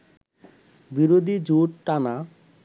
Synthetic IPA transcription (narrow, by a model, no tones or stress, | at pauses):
biɾod̪ʱid͡ʑuʈʈana